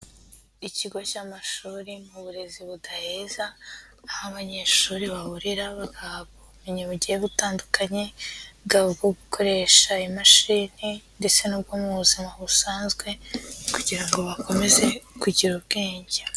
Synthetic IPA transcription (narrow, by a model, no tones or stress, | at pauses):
iciɡo̞camaʃuːɾimuβuɾe̞ziβudahezaː | haβaɲe̞ːʃuːɾiβaβuɾiɾaβaɡahaβɡoβumiɲeβuɟieβutaːndukaɲe̞ɡaβuɡoɡukʰo̞ɾe̞ʃaimaʃiːninde̞t͡se̞nub̚ɡomuβuzimaβusaːnzɡwe̞kuɟiɾaŋɡo̞βakʰo̞me̞ze̞kuɟiɾuβɡeːɲɟe